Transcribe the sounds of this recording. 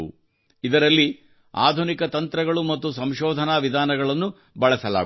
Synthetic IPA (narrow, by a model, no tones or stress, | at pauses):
u | id̪ɐɾɐlːi | a̰ːd̪ʱunikɐt̪ɐnt̪ɾɐɡɐɭumɐt̪ːusɐmʃɔːd̪ʱɐnaːʋid̪ʱaːnɐɡɐɭɐnːu | bɐɭɐsɐla̰ː